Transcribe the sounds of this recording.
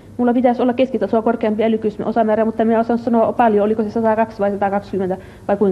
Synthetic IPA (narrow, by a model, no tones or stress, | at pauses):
mulːɑpit̪æsolːɑkeskit̪ːæsuɑkorkeɑmpiælykyˑsm̰osɑmæːræmut̪ːɑmiæosɑnussɑnoɑpɑljoolikosesɑt̪ɑˑkɑksʋɑisɑt̪ɑˑkɑkskymːent̪æ | ʋɑikuiŋ